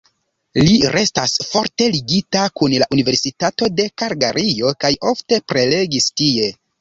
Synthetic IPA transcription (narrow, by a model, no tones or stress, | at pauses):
liɾʔestasfo̞ɾte̞liɡitakunlaʔunive̞ɾsitato̞de̞kaɾɡaɾʔio̞kajo̞fte̞pɾe̞le̞ɡistie̞